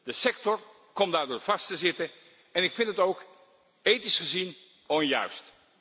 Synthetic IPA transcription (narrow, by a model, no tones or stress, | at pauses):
d̥əsɛktɔɹ | kɔmdaːɹdʊːɹv̥ɑstəzɪtə | ɛnɪkfɪntətowk | ejtisχəzin | ɔnjœ̰ɥst